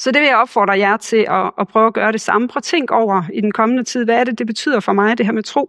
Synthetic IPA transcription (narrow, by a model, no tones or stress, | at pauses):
sɒ̽d̥e̝ʋejɒ̽b̥fɒ̰ːd̥ʁɐjæɐt͡sʰe̝lɒːpʰʁœːʊæɡ̥ɶːɐɾ̥e̝sɑ̈məfʰʁɒt͡sʰeŋ̰ɡ̥ɒʊ̰ɐid̥enkʰɒ̽mənət͡sʰið̞̰ˠʋæːɐɾ̥e̝d̥e̝b̥e̝t͡sʰy̰ð̰ˠɐfɒ̽mɑ̈ɪd̥e̝ɦæɐ̰met͡sʰʁo̝̰ː